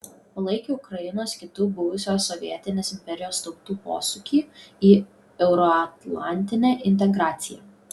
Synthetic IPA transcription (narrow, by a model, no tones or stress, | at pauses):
poːlˠɐɪkʲuʊkɾɐjɪnoːskʲɪt̪ʊbʊʋʊsʲoːsːɔʋʲiɛt̪ʲɪnʲeːsɪmʲpʲɛɾʲɪjoːst̪ɒʊt̪uːpo̰ːsʊkʲiːiː | ɛʊɾɔɐt̪lˠɑ̰ˑnʲt̪ʲɪnʲæːʔɪnʲt̪ʲɛɡɾɑːt̪sʲɪjɛ̰ː